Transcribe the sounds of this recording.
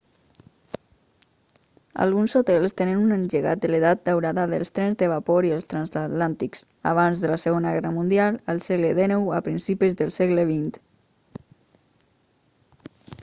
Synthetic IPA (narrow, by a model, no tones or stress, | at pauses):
a̰lˠɣunsot̪ɛlˠst̪enənunənʒəɣa̰t̪̚d̪əleðat̪̚d̪awɾaðaðəlˠst̪ɾɛnzðəβ̞apoɾiəlˠst̪ɾanszat̪lant̪iks | a̰β̞anzðəlasəɣonaɣɛrəmund̪ialˠəlˠsɛɣləðenɛwapɾinsipizðəlˠsɛɣləβ̞int̪